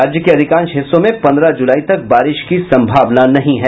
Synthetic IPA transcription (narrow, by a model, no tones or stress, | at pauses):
aːd͡ʒjəkeɐd̪ʱɪkãːnʃɦɪsːõmẽpɐ̃nd̪ɾad͡ʒʊlaːit̪ɐk̚baːɾɪʃkisɐ̃mbʱaːʋnanɐɦĩɦɛ